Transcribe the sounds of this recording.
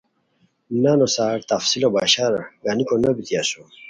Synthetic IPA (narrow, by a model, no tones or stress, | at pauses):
nanosaːɾt̪ɐfsilobaːɕaɾɡanikonɐbit̪iaso